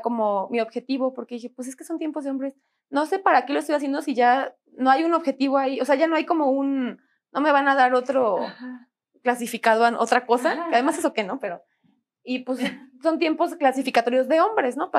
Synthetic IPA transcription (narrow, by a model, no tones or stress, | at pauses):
ko̞momio̞βxe̞t̪iβo̞po̞ɾkeðixe̞pwes̬e̞ske̞so̞nt̪je̞mpo̞zðeo̞mbɾe̞s | no̞se̞paɾakelo̞est̪ojasje̞nd̪o̞siʝa | no̞ajuno̞βxe̞t̪iβoajio̞se̞aʝano̞ajko̞mo̞unː | o̞me̞βanaðaɾo̞t̪ɾo̞ | klasifikaðoanʔot̪ɾako̞sakeaðe̞masesoke̞no̞pe̞ɾo | ipwesso̞nt̪jempo̞sklasifikat̪o̞ɾjo̞zðe̞o̞mbɾe̞sno̞pa